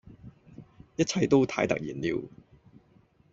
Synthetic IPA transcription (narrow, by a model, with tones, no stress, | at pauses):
jɐ˥t̚t͡sʰɐ˧jt̪o˥wt̪ʰaː˧˥jt̪ɐ̰˨k̚jiː˨˩nliː˧w